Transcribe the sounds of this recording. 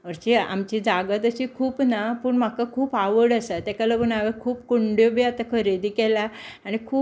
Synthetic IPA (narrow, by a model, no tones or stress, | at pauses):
ʋəɾt͡ɕia̰mt͡ɕid͡zaɡət̪əɕiːkʰuːpnapuɳm̤akakʰuːpaʋəɽəsat̪ɛkaləɡunaʋekʰuːpkoɳɖjobiat̪akʰəɾed̪iːkɛlaaɽ̃ikʰuː